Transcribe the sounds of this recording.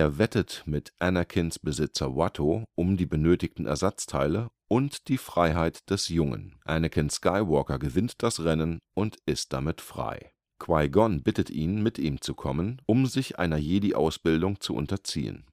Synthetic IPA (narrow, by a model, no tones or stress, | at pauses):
ʔeːɐvɛtətmɪtʔɛnɐkʰɪnsb̥əzɪt͡sɐwatʰoʔʊmdiːbənøːtɪçtn̩ʔɛ̰ɐzat͡stʰaɪlə | ʔʊntd̥iːfʁ̥aɪɦaɪtd̥ɛsjʊŋə̰nʔænəkʰɪnskaɪvɔɐkɐɡəvɪntd̥asʁɛnənʔʊntʔɪst̚d̥amɪtfʁ̥a̰ɪ | kʰv̥aɪɡɔnbɪtətʔiːnmɪtʰʔiːmt͡sukʰɔmənʔʊmzɪçʔa̰ɪnɐjeːdiʔa̰ʊsb̥ɪldʊŋt͡suʔʊ̰ntɐt͡sḭːə̰n